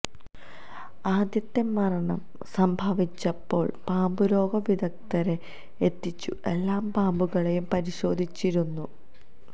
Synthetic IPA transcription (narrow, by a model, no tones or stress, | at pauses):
aːd̪jɐt̪ːemːɐɾɐɳɐm | sɐmbʱɐʋit͡ɕːɐpːo̞̰ːɭpaːmbuɾo̞ːɡɐʋid̪ʱɐk̚t̪ɐɾe | et̪ːit͡ɕːṵe̞lːaːmpaːmbuɣɐɭejumpɐɾiɕo̞ːd̪ʱit͡ɕːiɾunːu